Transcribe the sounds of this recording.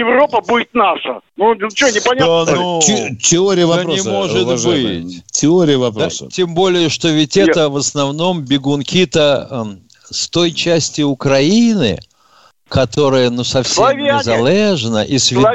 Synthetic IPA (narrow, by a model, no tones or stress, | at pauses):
ɪvɾopəbudʲɪt̪naʂə̰nut͡ɕɪonʲɪpɐnʲdaanutʲɪoɾʲɪjəvɐoɪmoʐɨt̪ɐʒbɨtʲtʲɪoɾʲɪjəvɐpɾ̰stʲembo̞lʲɪjəʂt̪o̞vʲɪtʲɛt̪əvəsnɐvno̞mbʲɪɡʊnkʲit̪ə | st̪o̞jt͡ɕæsʲtʲɪʊkɾɐinɨ̰ | kɐt̪o̞ɾɨjənusɐfsʲevʲɪzɐlʲˠeʐnə̰ʔisvʲɪ